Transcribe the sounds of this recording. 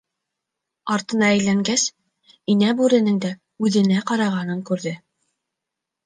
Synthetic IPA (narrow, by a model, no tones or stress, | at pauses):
ɑɾt̪ɤ̆nɑæjlæŋɡæs | inæbʉɾɘ̆nɘŋd̪æ | ʉðɘ̆næqɑɾɑʁɑnɤŋkʉɾðɘ